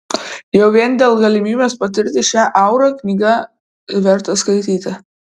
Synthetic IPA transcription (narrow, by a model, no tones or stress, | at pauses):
jɛʊʋʲiɛnd̪ʲeːlˠɡɐlʲɪmʲiːbʲeːspɐt̪ʲɪɾʲt̪ʲɪʃʲæːʔɐʊɾɐknʲiːɡɐ | ʋʲɛɾt̪ɐskɐɪt̪ʲiːt̪ʲɐ